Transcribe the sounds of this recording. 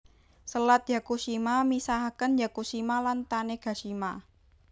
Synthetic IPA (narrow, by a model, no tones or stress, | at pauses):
səlat̪̚jakuʃimamisaɦakənjakuʃimalant̪aneɡ̥a̤ʃima